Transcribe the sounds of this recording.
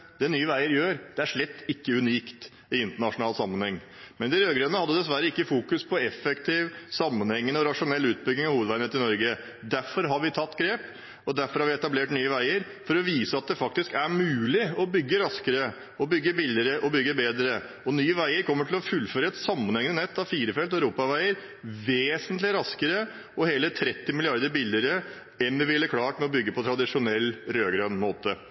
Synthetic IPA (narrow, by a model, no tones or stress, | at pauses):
d̪̥ɛnyːəʋæɪəɾjøːɾd̪̥ɛæʂɭɛt̪ːɪkːəʉniːkt̪ | ɪɪnt̪əɳɑʂʊnɑːlsɑmːənhɛŋː | mɛnɪɾøːɡɾeːnəhɑd̪jəd̪ɛs̬ʋæɾəɪkːəfuːkʉspʰɔɛfɛkt̪ʰiʋsɑmːənhɛŋːənɔɾɑʂʊnɛlːʉːt̪̚bʏɡnɪŋɑʋhuːʋd̪ʋæɪnəːt̪ɪnɔɾɡə | d̪æɾfɔɾɦɑɾʋɪt̪ʰɑt̪ːɡɾeːp | ɔd̪æɾfɔɾhɑɾʋɪɛt̪ɑbleːʈnyːəʋæɪəɾ | fɔɾɔʋiːsəɑt̪̚d̪ɛfɑk̚t̪ɪskæɾmʉːlɪɔbʏɡːəɾɑskəɾə | ɔbʏɡːəbɪlːɪəɾəʔɔbʏɡːəbeːd̪ɾə | ɔnyːəʋæɪəɾkʰɔmːəʈʰɪlɔfʉlːføːɾəɛt̪sɑmːɑnhɛŋnənɛt̪ːɑʋfiːɾəfɛlt̪æʉɾuːpɑʋæɪəɾ | ʋeːsənt̪lɪɾɑskəɾə | ɔheːlət̪ʰɾɛt̪ːɪmɪlɪɑɾd̪əɾbɪlːəɾə | ɛnʋɪʋɪlːəkʰlɑːʈmɛɔbʏɡːəpʰɔt̪ʰɾɑd̪ɪʂʊnɛlːɾøːɡɾɑnmoːt̪ə